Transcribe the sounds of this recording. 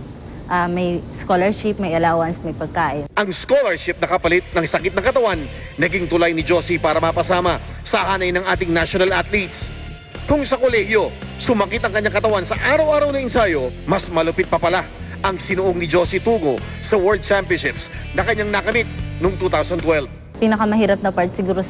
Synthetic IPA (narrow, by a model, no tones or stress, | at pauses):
ʔɐmɐjskolɛɹʃɪp̚mɐjɐlaːwɐnsmɐjpɐɡ̚kaːʔɪʔɐŋskolɐɹʃɪp̚nɐkɐpɐlɪt̪̚nɐŋsɐkɪt̪̚nɐŋkɐt̪ɐwanː | ɐɡiŋt̪ʊlajnɪd͡ʒo̞sipaːɾɐmɐpɐsaːmɐ | sɐhaːnɐjnɐŋʔaːt̪̬ɪŋnaʃonɐlʔat̪lit̪s | kʊŋsɐkolɛhjo̞ | sʊmɐkit̪ɐŋkɐɲːaŋkɐt̪ɐwansɐʔaːɾɐwʔaːɾɐwnɐʔɪnsajo̞mɐsmɐlʊpɪt̪̚pɐpɐla | ʔɐŋsɪnʊʔoŋnɪd͡ʒo̞sit̪uːɡo̞ | sɐwɛɹd̪̚t͡ʃɛmpjʊnʃɪps | nɐkɐɲːaŋnɐkɐmit̪̚noŋt̪uːt̪awsɐnt̪wɛlv | piːnɐkɐmɐhiːɾɐp̚nɐpaɹt̪sɪɡuːɾo